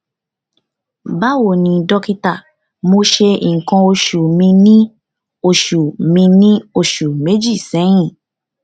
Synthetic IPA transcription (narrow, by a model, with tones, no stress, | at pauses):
ba˦wo˨nĩ˨dɔ˦˧ki˧ta˦˨ | mo˧ʃe˧i˨ŋ̩˨kã˧o˧ʃu˨mĩ˧nĩ˦ | o˦˨ʃu˨mĩ˧nĩ˦o˧˨ʃu˨me˨˦d͡ʒi˦˨sɛ̃˨˦j̃ĩ˦˨